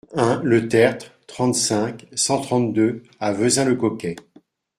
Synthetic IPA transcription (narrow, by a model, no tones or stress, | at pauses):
ɛ̃lət̪ɛʁt̪χt̪χɑ̃t̪sɛ̃ksɑ̃t̪χɑ̃t̪d̪ø | avøzɛ̃ləkɔkʲɛ